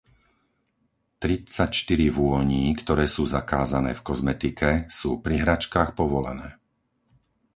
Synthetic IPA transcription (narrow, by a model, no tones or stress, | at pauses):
t̪ɾit͡sacʃt̪iɾiʋʊɔɲiːkt̪ɔɾɛːsuːzakaːzanɛ̰ːfkɔzmɛt̪ikɛsuːpɾiɦɾat͡ʃkaːxpɔʋɔlɛ̰nɛː